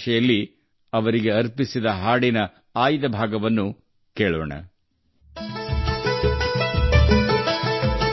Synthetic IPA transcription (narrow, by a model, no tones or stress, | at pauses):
ʃɛjɐlːi | ɐʋɐɾiɡe̞ɐɾpisid̪ɐɦaːɽinɐ | aːjid̪ɐbʱaːɡɐʋɐnːu | keːɭɔ̰ːɳɐ̰